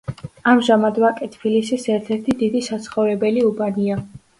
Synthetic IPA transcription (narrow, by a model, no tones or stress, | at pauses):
amʒamad̪vakʼɛt̪ʰbilisisɛɾt̪ʰɛɾt̪ʰid̪id̪isat̪sʰχɔvɾɛbɛliubania